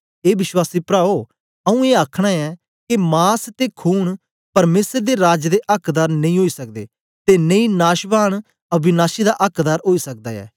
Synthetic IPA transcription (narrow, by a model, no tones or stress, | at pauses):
eːbɪswaːsiːpɾaːoː | ɐũːeːakʰɽ̃aːɛː | kemaːst̪eːkʰuːɳ | pɐɾmeːsəɾd̪eːɾaːd͡ʒd̪eːʔəkʰd̪aːɾnɐ̃ĩːɦoːiːsək̚d̪eː | t̪eːnəĩːnaːʃbaːɽ̃ | ɐbɪnaːʃid̪aːʔɐkd̪aːɾɦoːiːsɐk̚d̪a̰ːɛ̰ː